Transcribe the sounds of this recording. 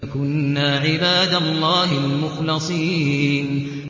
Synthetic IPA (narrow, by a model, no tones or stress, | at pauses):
kʊnːaːʕɪbaːd̪alˤːɑːhɪlmʊxlɨsˤiːn